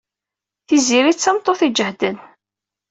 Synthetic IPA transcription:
θiziɾit͡sːəmt̪ˤːoθid͡ʒəhd̪ən

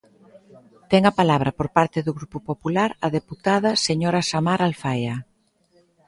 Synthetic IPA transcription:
t̪ɛŋɐpalaβ̞ɾɐpoɾpaɾt̪eðʊɣɾupʊpopulaɾɐðeput̪aðɐseɲoɾasamaɾalfaja

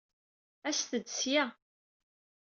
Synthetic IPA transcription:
æst̪əd̪sjæ

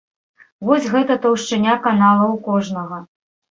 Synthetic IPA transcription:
vɔsʲɣɛt̪ɐt̪ɐwʂt͡ʂɨnʲakanalˠɐwkɔʐnɐɣɐ

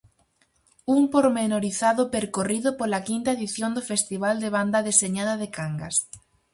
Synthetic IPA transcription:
umpoɾmenoɾiθaðʊpeɾkoriðʊpolakint̪aeðiθjond̪ofest̪iβ̞ald̪eβ̞and̪ɐðeseɲaðaðekaŋɡa̰s

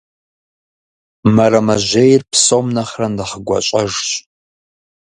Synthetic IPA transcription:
mɐɾɐmɐʒejrpsomnɐχrɐndɐχəɡʷɔ̰ɕʷʼɐʒɕʼ

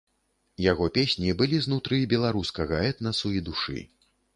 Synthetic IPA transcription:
jaɣɔpʲesʲnʲibɨlʲiznut̪ɾɨbʲɛlˠaɾuskɐɣɐɛt̪nɐsuid̪uʂɨ̰

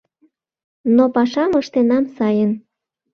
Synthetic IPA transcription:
nopɑʃɑməʃt̪enɑmsɑjən

